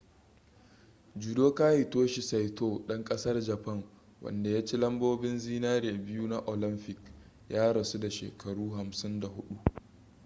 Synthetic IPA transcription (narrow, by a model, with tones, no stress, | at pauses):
d͡ʒu˨doː˦kaː˦jɪ˨toː˦ʃi˨sa˨jtoː˦˨ɗɐ˦ŋkʼɐ˦sɐ˦rd͡ʒɐ˨pɐ˦˨ŋ | wɐ̰˨nda˨ja˦t͡ʃi˦lɐ˦mboː˦bɪ˦nziː˦naː˦ɾeː˨bɪ˦juː˦na˦ʔo˨lɪ˦mpɪ˨k | jaː˦ɽɐ˨su˦da˨ʃḛː˨kɐ˨ɽuː˦ɦa˨msɪ˦nda˨hʊ˦ɗu˦ʔ